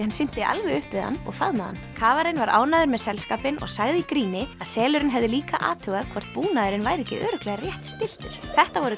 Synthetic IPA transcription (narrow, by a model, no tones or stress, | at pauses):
hansɪn̥t̪ɪʔa̰lvɛɣʏhpɪða̰nːɔ̰ɣfaðmaða̰nkʰaːvaɾɪnvaɾʔa̰ːwnaðʏɾmɛðsɛlskaːpɪnʔɔ̰ɣsaɣðɪikɾiːnɪaðsɛːlʏɾɪnɦɛvðɪliːkaʔa̰ːt̪ʰœɣakʰvɔr̥t̪̚puːnaðʏɾɪnvajɾɛcɪ̰ʔœːɾʏklɛɣaɾrjɛht̪st̪ɪl̥t̪ʏɾ̥θɛht̪avɔɾʏ